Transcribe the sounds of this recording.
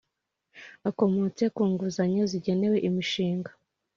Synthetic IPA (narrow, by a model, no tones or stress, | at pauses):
ako̞mot͡se̞kuːŋɡuzaɲoziɟe̞ne̞we̞ʔimiʃiːŋɡḁ